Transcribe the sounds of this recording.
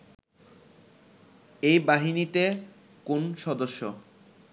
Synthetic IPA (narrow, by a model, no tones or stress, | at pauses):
ejbaɦinit̪e | konʃɔd̪oʃːo